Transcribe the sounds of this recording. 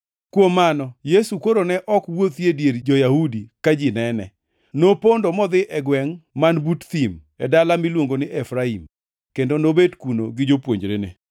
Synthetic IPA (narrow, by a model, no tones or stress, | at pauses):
kwomanɔjesukoɾonɛʔɔkwot̪jedjeɾd͡ʒɔjahudikad͡ʒɪnɛnɛ̰ | nopondomɔd̪ɪʔɛɡwɛŋmanbutt̪im | ɛdalamilwoŋɡonɪʔɛfɾaim | kendonobedkuno̰ɡɪd͡ʒopwo̰ɲd͡ʒɾḛnḛ